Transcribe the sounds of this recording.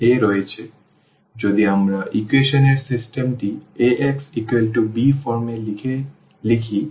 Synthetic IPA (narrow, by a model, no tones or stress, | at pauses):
eɾɔet͡ɕʰe | d͡ʑod̪iamɾaʔikweʃoneɾsisʈemʈieʔeksikwelʈubifɔɾmele | likʰi